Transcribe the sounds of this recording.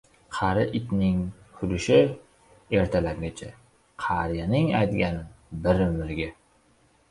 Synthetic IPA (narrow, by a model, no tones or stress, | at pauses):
qʰɑɾɪʔɪt̪nɪŋhʰʊlɪʃɪ | e̞ɾt̪ʰalaɾɡʲat͡ʃʰa | qʰɑɾjanɪŋa̰jt̪ɡʲanbɪɾmɪɾɡʲɪ